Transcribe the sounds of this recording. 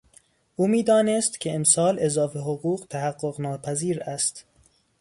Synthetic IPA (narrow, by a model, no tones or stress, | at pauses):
ʔuːmiːd̪ɒːnest̪kʲʰeemsɒːlezɒːfeɦoɣuːɣt̪ʰæhæɡːoɣnɒːpʰæziːɾæst̪